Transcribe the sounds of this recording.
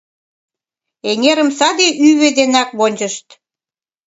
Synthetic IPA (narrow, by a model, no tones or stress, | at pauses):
eŋʲeɾəmsɑd̪eʔyβed̪enɑkβonʲd͡ʑəʃt̪